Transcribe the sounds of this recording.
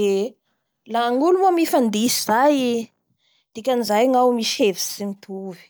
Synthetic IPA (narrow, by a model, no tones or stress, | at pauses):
e | laŋulumamifand̪isizaj | d̪̥ikʲanizajŋawmiʃevi̥simit̪ʰuvi̥